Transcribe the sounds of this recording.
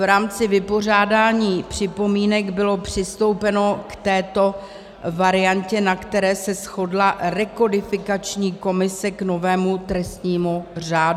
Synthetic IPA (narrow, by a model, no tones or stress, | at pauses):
vɾaːmt͡sɪvɪpo̞r̝aːdaːɲiːpr̥ɪpo̞miːnɛɡbɪlo̞pr̝̥ɪst̪o̞wpɛno̞kt̪ɛːt̪o̞ | vaɾɪancɛnakt̪ɛɾɛːsɛsxo̞dlaɾɛko̞dɪfɪkat͡ʃɲiːko̞mɪsɛkno̞vɛːmut̪ɾɛst̪ɲiːmuraːd